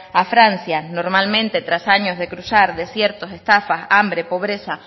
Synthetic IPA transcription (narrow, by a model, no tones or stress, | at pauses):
afɾan̟θjano̞ɾmalmẽ̞nt̪e̞t̪ɾasaɲo̞zðe̞kɾusaɾðe̞sje̞ɾt̪o̞se̞st̪afasambɾe̞po̞β̞ɾe̞sa